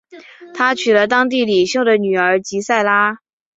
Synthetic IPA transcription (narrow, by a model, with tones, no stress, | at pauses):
t̪ʰa˥t͡ɕʰy˨˩lə˦t̪ɑ˥ŋt̪̬i˥˩li˨˩ɕjo˥˩ʊd̪ə˩ny˨˩ə˞˧˥t͡ɕi˧˥sa˥˩ɪla˥